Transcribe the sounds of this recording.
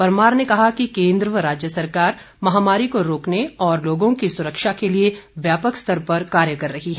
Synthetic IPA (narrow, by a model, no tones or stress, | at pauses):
pɐɾmaːɾnekɐɦakikẽːnd̪ɾʋəɾaːd͡ʒjəsɐɾkaːɾ | mɐɦaːmaːɾikoɾoːkneɔːɾloːɡõkisʊɾəkʃakelieʋjaːpəkst̪ʰɐɾpɐɾkaːɾjəkɐɾːɐɦiɦɛː